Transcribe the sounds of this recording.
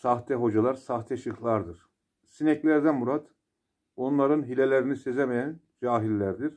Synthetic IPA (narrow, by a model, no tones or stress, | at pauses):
saxt̪ʰɛɦo̞d͡ʒalˠaɾsaht̪ʰɛʃɯxlˠaɾd̪ɯɾ̥ | sinɛclʲæɾd̪ænmuɾat̪ | o̞nlˠaɾɯnɦilʲelʲeɾinisezemejæn | d͡ʒaːɦilʲːæɾd̪iɾ̥